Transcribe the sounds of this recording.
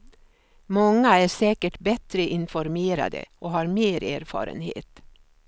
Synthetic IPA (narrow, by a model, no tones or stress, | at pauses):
mɔŋːəæːɾseːkəʈbɛt̪ɾəʔɪnfɔɾmeːɾɑ̰d̪ə̰ʔoːhɑːɾmeːɾæːɾfɑ̰ːɾə̰nhḛːt̪